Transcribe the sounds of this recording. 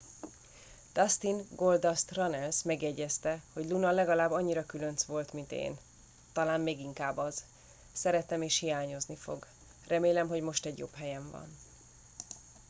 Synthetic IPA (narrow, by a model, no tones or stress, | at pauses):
t̪ɒst̪inɡo̞ld̪ɒst̪rɒnɛlsmɛɡjɛɟːɛst̪ɛho̞ɟlunɒlɛɡɒlaːbɒɲːiɾɒkylønsʋo̞lt̪mint̪ḛːn | t̪ɒlaːmmeːɡiŋkaːbɒz̥ | sɛɾɛt̪ɛmeːʃhijaːɲo̞znifo̞̰ɡ | rɛmeːlɛmɦo̞ɟmo̞ʃt̪ɛɟjo̞̰phɛjɛɱvɒ̰n